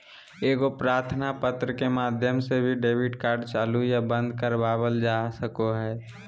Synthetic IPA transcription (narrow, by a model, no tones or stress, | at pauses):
eːɡopɾaːɾt̪ʰnapət̪ɾəkemaːd̪ʱjəmsebʱiɖeːbɪɖkaːɾɖt͡ʃaːlujabə̃nd̪ʱkəɾbaːbəld͡ʒaːsəkoɦɛː